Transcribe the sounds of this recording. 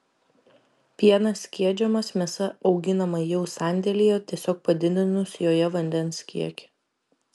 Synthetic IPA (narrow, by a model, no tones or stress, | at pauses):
pʲiɛnɐsʲkʲiɛd͡ʒʲɛmɐsmʲɛsɐɒʊɡʲɪnɐmɐjɛʊsɑˑnʲd̪ʲɛlʲijɛt̪ʲiɛsʲoːk̚pɐd̪ʲɪd̪ʲɪnʊsjoːjɛʋɐnʲd̪ʲɛnskʲḭɛkʲɪ̥